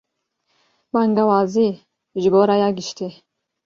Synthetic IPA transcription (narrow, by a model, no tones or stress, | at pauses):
baŋɡawazi | ʒibɔɾajaɡiʃt̪ʰe